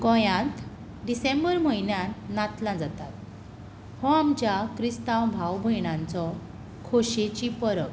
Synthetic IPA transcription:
kɔ̃jãt̪ | ɖisẽmbəɾməjnjãnat̪lãd͡zat̪at̪ | hɔamt͡ɕjakɾist̪awbʱawbʱəjɳãnt͡sɔ | kʰoɕet͡ɕipəɾək

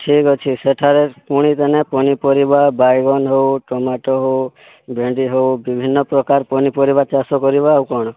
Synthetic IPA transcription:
ʈʰikɔt͡ʃʰiseʈʰaɾepuɽ̃it̪enepɔñipɔɾibabajɡɔnɦowʈɔmaʈɔɦow | bʱeɳɖiɦowbibʱinːɔpɾɔkaɾpɔnipɔɾibat͡ʃasɔkɔɾibawkɔɽ̃ɔ

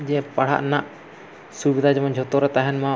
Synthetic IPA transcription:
d͡ʒɛpɐɽ̤a̰ʔnaʔ | subid̪ʱad͡ʒəmənd͡ʒʱot̪oɾɛt̪aɦɛnmã

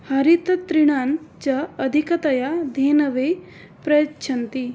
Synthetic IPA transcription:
haɾit̪ɐt̪ɾiɽ̃ant͡ɕaəd̪ʱikɐt̪ɐjad̪ʱenɐʋe | pɾɐjtːɕʰɐnt̪i

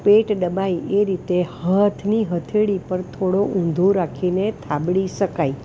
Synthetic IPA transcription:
peʈɗəbaieɾit̪ehət̪ʰniɦət̪ʰeɽipəɾt̪ʰoɽoʔũnd̪ʱoɾakʰinet̪ʰabɽiʃəkai

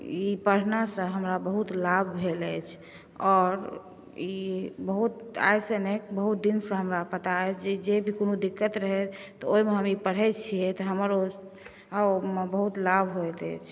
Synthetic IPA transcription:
ipəɽ̤nasə̃ɦəmɾabəɦut̪labʱbʱeləjt͡ʃʰ | ɔɾ | ibəɦut̪a̰jsənekbəɦut̪̚d̪insə̃ɦəmɾapət̪aɛd͡ʒed͡ʒebʱikonud̪ikːət̪ɾəɦɛt̪ɔoimeɦəmipəɽ̤ɦɛt͡ʃʰijet̪ɔɦəməɾo | mebəɦut̪labʱɦojt̪ɛ̰jt͡ʃʰ

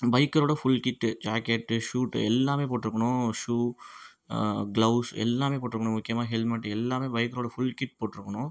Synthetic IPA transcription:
bɐɪkːɐɾoːɽɐfʊlkɪʈːɯd͡ʒaːkeʈːʂuːʈɛ̰lːaːmeːpoːʈːɪɾɯkːɐɳʊ̃ʂuː | ɡlɐʊsɛ̰lːaːmeːpoːʈːɪɾɯkːɐɳʊ̃mʊkːɪjɐmaːɦɛlmɐʈːɛlːaːmeːbɐɪjkːɐɾoːɽɐfʊlkɪʈ̚ːpoːʈːɪɾɯkːɐɳʊ̃

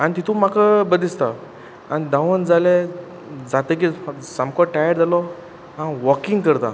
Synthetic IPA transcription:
anit̪it̪ʰumakəbəd̪ist̪a | anid̪ãʋənd͡zale | d͡zat̪ək̬isamkɔʈajəɾd͡zalɔ | ɦãʋɔkiŋɡkəɾt̪a̰

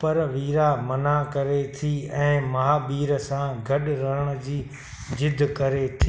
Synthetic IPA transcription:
pɐɾʋiːɾamɐnakɐɾet̪ʰiːɛ̃ːmɐɦaːbiːɾəsãɡʱɐɗɾɐɦəɽ̃ə̆d͡ʑiː | d͡ʑɪd̪ʱkɐɾet̪ʰi

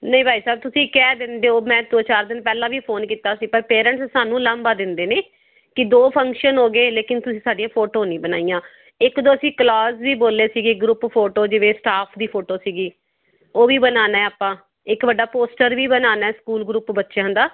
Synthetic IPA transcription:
nəĩːbʱaːiːsaːb̚t̪ʊsĩːkɛːd̪ɪnd̪eːoːmɛ̃ːd̪oːt͡ʃaːɾd̪ɪnpɛːlãːʋiːpʰoːnkiːt̪aːsiːpəɾpeːɾə̃ɳʈssaːnũːləmbaːd̪ɪnd̪eːneː | kɪd̪oːpʰə̃ŋkʃənɦoːɡeːleːkɪnt̪ʊsĩːsaːɖijãːpʰoːʈoːnĩːbənaːijãː | ɪkd̪õːəsĩːklɔːzʋiːboːleːsiːɡeːɡɾuppʰoːʈoːd͡ʒɪʋeːsʈaːpʰd̪iːpʰoːʈoːsiːɡiː | oːʋiːbənaːnaɛːaːpːãː | ɪkbəɖaːpoːsʈəɾʋiːbənaːnɛːskuːlɡɾuːpbətːʃẽɦə̃nd̪aː

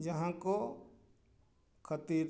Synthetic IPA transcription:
d͡ʒɐɦãko | kʰət̪iːɾ

